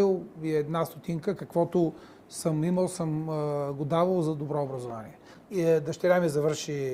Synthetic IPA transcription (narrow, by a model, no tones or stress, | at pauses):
ilˠiɛd̪nast̪ot̪iŋkəkɐkvɔt̪ʊ | səmiməlˠsəmɡod̪avəlˠzɐd̪obɾɔʊbɾɐzovanḭɛ | id̪ɐʃt̪ɛɾʲamiɛzɐvəɾʃi